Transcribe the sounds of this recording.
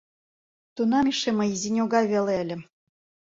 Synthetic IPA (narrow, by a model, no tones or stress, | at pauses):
t̪unɑmiʃemɤ̆jizinʲoɣɑjβelelʲɘ̆